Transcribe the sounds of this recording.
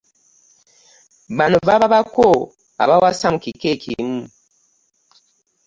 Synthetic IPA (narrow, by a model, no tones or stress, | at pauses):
βanuβaβaβako | a̰βawasamukikekimu